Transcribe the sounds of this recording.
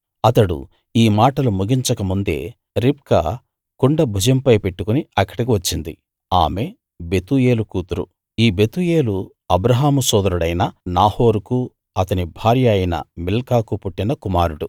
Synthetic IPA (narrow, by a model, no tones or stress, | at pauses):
ɐt̪ɐɽṵ | iːmaːʈɐlumuɡiɲt͡ʃɐkɐmund̪e̞̰ː | ɾip̚kɐ̰ | kuɳɖɐbʱud͡ʒɐmpɐjpe̞ʈːukuniɐkːɐ̥ɽik̬iʋɐt͡ʃːind̪ḭ | a̰ːme̞ | be̞t̪uje̞ːlukuːt̪uɾṵ | iːbe̞t̪uje̞ːlu | ɐbɾɐɦaːmusɔːd̪ɐɾuɽɐjnɐnaːho̞ːɾuku | ɐt̪ɐnibʱaːɾjɐːjinɐ̰milkaːkupuʈːinɐkumaːɾuɽu